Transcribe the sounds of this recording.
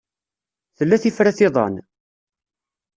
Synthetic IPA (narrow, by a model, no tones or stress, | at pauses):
θəlːæθifɾæθɪðˤɑ̰n